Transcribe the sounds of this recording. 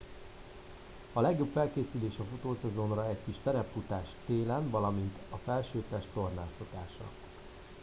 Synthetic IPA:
ɒlɛɡjo̞pfɛlkeːsyleːʃɒfot̪oːsɛzo̞nrɒɛckiʃt̪ɛɾɛpfut̪aːʃt̪eːlɛnvɒlɒmint̪ɒfɛlʃøːt̪ɛʃt̪o̞rnaːst̪ɒt̪aːʃnɒ̰k

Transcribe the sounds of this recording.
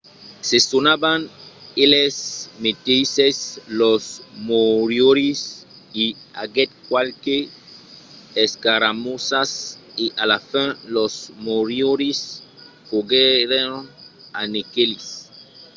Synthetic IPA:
sesonabanelesmet̪ejseslosmoɾjoɾis | ia̰ɡɛt̪̚kwalke | skaɾamosaseʔalafɛ̃losmoɾjoɾis | koɡeɾeŋanekelis

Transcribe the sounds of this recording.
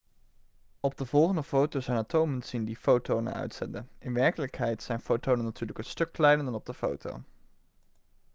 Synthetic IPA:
ɔb̚dəvɔlˠχəndəfowtozɛjnatʰowmənsindifowtownə̰nœ̰ɥtsɛ̰ndəʔɪnʋɛɹkələkɦɛjtsɛjnfowtownənːatyːɹləkənstɵkːlɛjnəndɑnɔb̚dəfo̰wtʰo̰w

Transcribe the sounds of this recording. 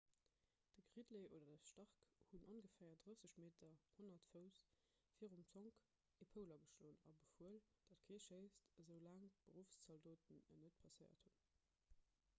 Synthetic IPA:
d̥əɡʁidleʔoːdɐdəʃtɑʁkhunʔonɡəfæːɐdʁəsəɕmeːtʰɐhonɐtfəʊs | fiːəʁumt͡soŋk | epʰəʊlɐɡəʃloːənɑ̰bəfuəld̥ɑtkʰeːʃeɪstəzəʊlæːŋb̥əʁufst͡sɑldoːtənənət̚pʰɑsəɪɐ̰thun

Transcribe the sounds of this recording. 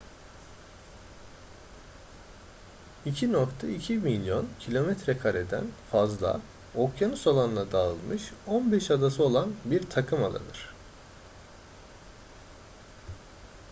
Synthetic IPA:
icʰino̞kt̪ʰaicʰimilʲjo̞ncʰilʲo̞mɛt̪ɾɛkʰaɾe̞d̪æ̰nfazlˠa̰ | okjanɯsolˠanlˠad̪aɯlˠmɯʃo̞nbɛʃad̪asɯo̞lˠanbiɾt̪ʰakʰɯmalˠa̰nɯ̰ɾ̝̥

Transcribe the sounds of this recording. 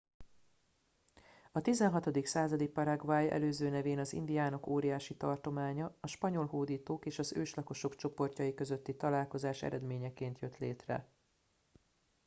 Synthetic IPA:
ɒt̪izɛnɦɒt̪o̞d̪iksaːzɒd̪ik̚pɒɾɛɡvaːjɛ̰løːzøːnɛveːnɒzḭnd̪ijaːnokoːɾijaːʃit̪ɒrt̪o̞maːɲɒɒʃpɒɲo̞lɦoːd̪iːt̪oːkeːʃɒzøːʃlɒko̞ʃo̞kt͡ʃo̞po̞rcɒjikø̞zø̞t̪ːit̪ɒlaːlko̞zaːʃɛ̰ɾɛd̪meːɲɛkeːnt̪jø̞t̪leːt̪rɛ̰

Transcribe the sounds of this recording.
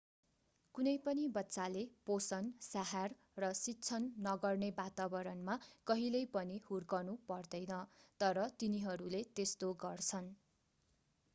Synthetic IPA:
kunʌjpʌnibʌtːsaleposʌnsaɦar | rʌsitːt͡sʰʌnːʌɡʌrnebat̪abʌɾʌnmakʌɦilʌjpʌnihurɡʌrnupʌrd̪ʌjnʌt̪ʌɾʌt̪iniɦʌɾulet̪est̪oɡʌrt͡sʰʌn

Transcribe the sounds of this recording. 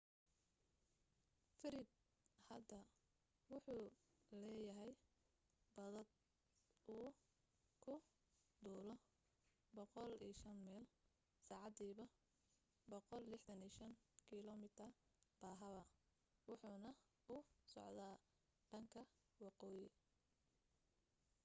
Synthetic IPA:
fɪɾɪd̪ | hɐd̪ɐ | wʊħuːlɛːjɐɦɛj | bɐðɐd̪̚ | ʔuː | kʰʊ | d̪uːlɔ | bɔqɔliːʃɐnmɛːl | saːʕɑd̪iːβɐ | bɔqɔlːɪħd̪ɐniːʃɐŋkʰɪlɔmɪt̪ʰɐb̥aːɦɐβɐ | wʊħuːnɐ | ʊsɔ̰ʕd̪aː | ɖ̥ɐŋkʰɐ | wɑqɔːjɪ

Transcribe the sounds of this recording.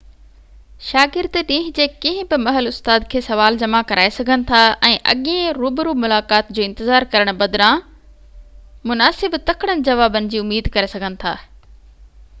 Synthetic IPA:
ʃaːɡɪɾd̪ɗĩːɦ̆d͡ʑeːkĩɦɪ̃bɪmɐɦəlʊst̪aːd̪kʰeːsɐʋaːld͡ʑɐmakɐɾʔaːesɐɡʱənɪ̆t̪ʰaʔɛ̃ːʔɐ̰ɠẽɾuːbɪɾumʊlaːkaːt̪d͡ʑoːɪ̃nt̪ɪzaːɾkɐɾəɽ̃bɐd̪ɾã | mʊnaːsɪbt̪ɐkʰɽ̃ənɪ̆d͡ʑɐʋaːbənɪ̆d͡ʑiːʊmiːd̪kɐɾesɐɡʱənɪ̆t̪ʰa̰ː

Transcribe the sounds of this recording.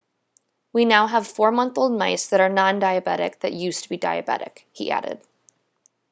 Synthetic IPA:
winaʊəv̥fɔɹmʌ̃nθoʊlˠd̚maɪsðɨɾə˞nɑ̃ndaɪɨbɛɾɪ̰k̚ðɨ̰ʔjʉstʰəbidaɪɨbɛ̰ɾɨ̰khḭʔæ̰ɾɪ̰d̥

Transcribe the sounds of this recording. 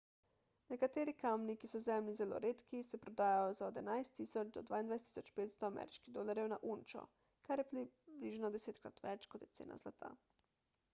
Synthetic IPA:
nɛkat̪eːɾikamnikisɔzɛmlizɛlo̰ɾeːt̪kisɛpɾod̪aːjajɔzaod̪ɛnajst̪ːisɔt͡ʃd̪ɔ̰d̪ʋaːind̪ʋajst̪i̥sɔt͡ʃpeːt̪st̪ɔamɛ̰ːɾiʃkiɣd̪oːlaɾjɛwnaʔunt͡ʃɔ̰ | kaɾjɛpɾibliʒnɔd̪ɛseːt̪kɾa̰t̪ʋɛt͡ʃkɔt̪jɛtsḛːna̰zlat̪ʰa̰

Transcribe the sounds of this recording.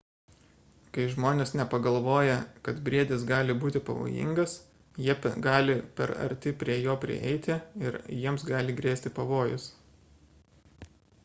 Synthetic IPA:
kɐɪʒmoːnʲesnʲɛpɐɡɐlˠʋoːjɛkɐt̪bʲɾʲiɛd̪ʲɪs̬ɡɑːlʲɪbuːt̪ʲɪpɐ̰ʋo̰ːjɪ̰ŋɡɐs | jiɛpʲɡɑːlʲɪpʲɛ̰ɾɐ̰ɾʲt̪ʲɪpʲɾʲiɛjoːpʲɾʲɪ̰ʔɛ̰ɪt̪ʲɪɪɾjiɛmsɡɑːlʲɪɡɾʲeːsʲt̪ʲɪpɐʋoːjʊ̰s

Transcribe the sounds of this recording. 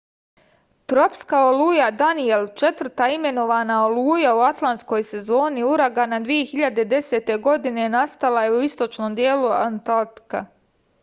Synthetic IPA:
t̪ɾo̞pskaoluːjad̪anie̞lt͡ʃe̞t̪ʋr̩t̪aime̞no̞ʋaːnaoluːjauat̪lˠant̪sko̞jse̞zo̞ːniuɾaɡanad̪ʋije̞xiʎad̪ed̪e̞set̪e̞ɡo̞d̪ine̞nast̪alajeuist̪o̞t͡ʃno̞md̪je̞ːluant̪alt̪i̥ka̰

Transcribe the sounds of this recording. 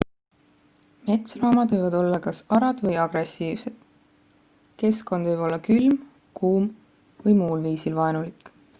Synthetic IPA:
me̞t̪srɑːmɑd̪vɯjvɑd̪o̞lːɑkɑsɑɾɑd̪̥vɤjɑɡ̥ɾe̞sːiːvse̞d̪̥ | ke̞sko̞nd̪̥vɯjb̥o̞lːɑkylm | kʰuːm | vɤjmuːlviːsilvɑenulikːˑ

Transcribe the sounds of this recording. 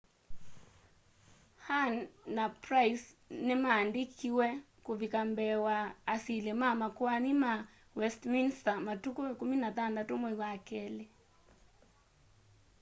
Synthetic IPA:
hanːapɾaisnimaːndikʰiwɛ | kuvikambɛwaːsilimamakuanima | wɛstminstamatukuɛkuminatandatumɔiwakɛle

